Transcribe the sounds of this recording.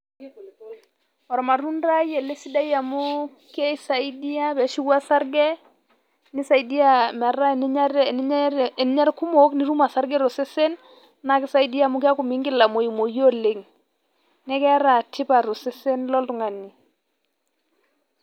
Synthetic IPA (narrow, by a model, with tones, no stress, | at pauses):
ɔ˨ɾɔ˨ma˨ɾu˦nɾa˦jɛ˨le˦si˦da˦ja˨mʊ˦ | kɛ˦sa˨i˦di˦a˦bɛ˨˦ʃi˦wa˦sa˦ɾɡɛ˦ | nɪ˦sa˨i˦di˦a˦mɛ˨ra˦˨n˦ɾ | n˦ɲa˦ɾku˦mo˦kni˦ɾu˦ma˨sa˦ɾɡɛ˦ɾo˨sɛ˦se˦n | na˨˦kɪ˦sa˦i˦di˦a˦˨mʊ˦kɪ˦a˦ku˨mi˦ŋɡɪ˦la˨mo˨i˨mo˨jo˦le˨ŋ | nɛ˦kɛ˦a˦ɾa˨tʰɪ˦pa˨ɾo˨se˦se˦nlɔ˦ltʊ˨ŋa˨ni˨